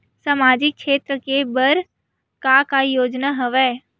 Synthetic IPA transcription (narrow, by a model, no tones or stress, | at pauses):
samaːd͡ʒɪk̚kʃeːt̪ɾəkebəɾ | kakajoːd͡ʒnaɦɐʋɛː